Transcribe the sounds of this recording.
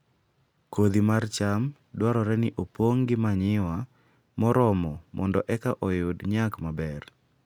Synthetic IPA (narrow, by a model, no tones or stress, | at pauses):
kod̪imart͡ʃam | dwaɾɔɾɛnɪʔopwoŋɡɪmaɲɪwa | mɔɾɔmɔmɔndɔʔɛkaʔɔjʊdɲakmabɛr